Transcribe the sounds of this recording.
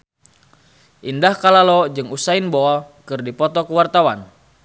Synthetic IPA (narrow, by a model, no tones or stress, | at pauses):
ʔindahkalalɔd͡ʒɨŋusainboɔkɨrdipɔt̪ɔkəwart̪awan